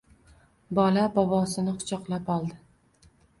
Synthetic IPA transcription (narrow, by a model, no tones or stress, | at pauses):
bɒlabɒbɒsɪnɪqʰʊ̥t͡ʃʰɒqlˠapɒlˠd̪ɪ